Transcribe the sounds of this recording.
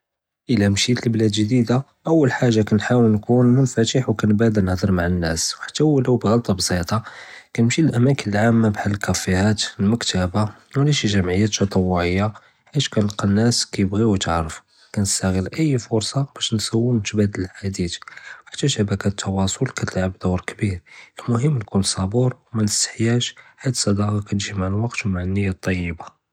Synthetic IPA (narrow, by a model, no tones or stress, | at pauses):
ʔəlæmʃit̪əlblæd̪ʒd̪id̪a | ʔəwːəlħaʒːakænħawəlnkunənfæt̪əħwkænbæd̪ənəhd̪ˤəɾˤmaʕanːæswħḁt̪ːæwləwbɣɑlt̪ˤɑbsˤit̪ˤɑkænəmʃilʔæmækənəlʕamːabħalkæfːihæt̪əlməkt̪əba | wlæʃiʒæmʕəjːæt̪ːɑt̪ˤɑwːʊʕəjːa | ħiʃkænəlqɑnːæskæjəbɣiwt̪əʕɾəf | kænəst̪æɣəlʔəjːfʊɾsˤɑb̥æʃnsæwːnt̪bæd̪ələlħad̪it̪ħḁt̪ːæʃæbækæt̪ʰːɑwɑsˤolkæt̪əlʕəbd̪uɾkbiɾəlmʊɦəmːlkʊlːsˤɑbuɾwmanəsːə̥ħjæʃħat̪ːsˤɑd̪ɑɣɑkæt̪ʒimaʕlwɑqt̪wmaʕanːəjːat̪ˤːɑjːəba